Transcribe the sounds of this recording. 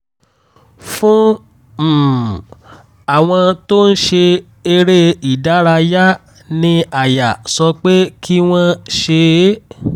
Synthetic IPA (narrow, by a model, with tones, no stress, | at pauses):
fũ˦ | m̩˨ | a˦˨w̃ɔ̃˧to˦n̩˦ʃe˧ | e˧ɾe˦i˨da˦ɾa˧ja˦ | nĩ˧a˨ja˨sɔ˧k͡pe˦kʰi˦w̃ɔ̃˧ʃe˧˦